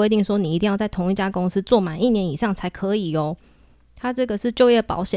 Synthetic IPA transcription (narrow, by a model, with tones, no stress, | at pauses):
e˥ɪt̪̬i˥˩ŋʂwɔ˦˥ni˨˩i˧t̪i˥˧ŋjɑ˥˧ʊt͡sa˥˩ɪt̪ʰʊ˧˥ŋi˥˩t͡ɕja˥kʊ˥ŋs̩˦t͡swɔ˥˨˩ma˨˩ni˥˩njɛ˧˦ni˨˩ʂɑ˥˩ŋt͡sʰa˧˥ɪkʰɤ˧˦˥i˨˩o˨˦ | t̪ʰa˥ʈ͡ʂɤ˥˩ɡə˩ʂɻ̩˥˧t͡ɕjo˥˧ʊjɛ˥˩pɑ̰˧˥ʊɕjɛ˨